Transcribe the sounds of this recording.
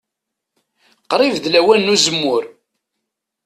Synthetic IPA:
qɾˤivðlæwænːuzəmːʊɾ

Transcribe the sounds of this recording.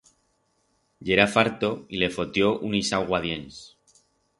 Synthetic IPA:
ʎeɾafaɾt̪o̞ile̞fo̞t̪jo̞ʔunisawɣwað̞je̞ns

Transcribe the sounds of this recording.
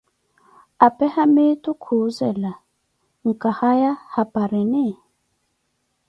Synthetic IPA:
apɛhametukʰuzɛla | ŋ̩kahajahapaɾinɛ

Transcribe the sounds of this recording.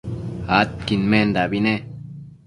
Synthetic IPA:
at̪̚kinmend̪abine

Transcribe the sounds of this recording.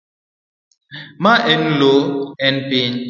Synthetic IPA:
maʔɛnloɛnpiɲ

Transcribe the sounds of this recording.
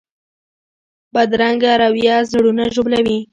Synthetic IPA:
bad̪ɾaŋɡaɾawjɑzɽunaʒoblawi

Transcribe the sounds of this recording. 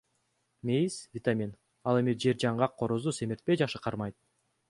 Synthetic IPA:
mʲejisvʲɪt̪amʲin | ɑlˠe̞mid͡ʒe̞ɾd͡ʒɑɴʁɑqʰːo̞ɾozuse̞miɾt̪̚pe̞jd͡ʒɑχʃɯqʰɑɾmɑjt̪̚

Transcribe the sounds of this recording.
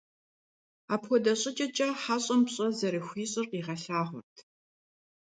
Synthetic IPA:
aːpxʷɔdɐɕʼɪt͡ʃʼɐt͡ʃʼɐħaːɕʼɐmpɕʼɐzɐɾɨxʷiːɕʼɪrqiːʁɐɬaːʁʷʊ̰rtʰ

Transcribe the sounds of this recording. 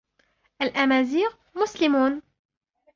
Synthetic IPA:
ʔælʔæmaːziːʁ | mʊslɪmuːn

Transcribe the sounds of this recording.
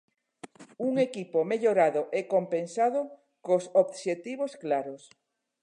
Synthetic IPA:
uŋekipomeʎoɾaðoʔekompensað̞o | kosoβʃet̪iβosklaɾos

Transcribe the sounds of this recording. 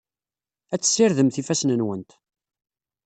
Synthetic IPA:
æt͡sːə̥sːiɾðəmθifæsnənwənt̪

